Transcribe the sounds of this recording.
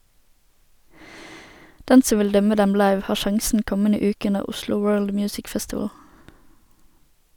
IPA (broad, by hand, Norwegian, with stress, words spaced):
ˈdɛn ˈsɔ ˈʋɪl ˈdœmə ˈdɛm ˈlɑɪʋ ˈhɑːʁ ˈʃɑŋsn̩ ˈkɔmənə ˈʉːkə ˈʉnəʁ ˈʊslʊ ˈwɜːɭd ˈmjʉːsɪk ˈfɛstɪʋəl